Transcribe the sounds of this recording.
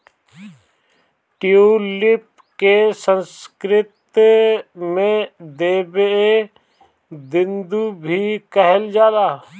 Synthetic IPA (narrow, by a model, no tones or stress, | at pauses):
ʈɪulɪp | kesə̃nskɾɪt̪ | mẽd̪eːbe | d̪ɪ̃nd̪ubʱikəɦəld͡ʒaːd̪aː